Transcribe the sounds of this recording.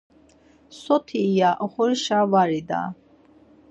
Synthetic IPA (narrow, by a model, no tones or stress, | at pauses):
sɔt̪ʰiːjaʔɔχɔɾiʃavaɾid̪a̰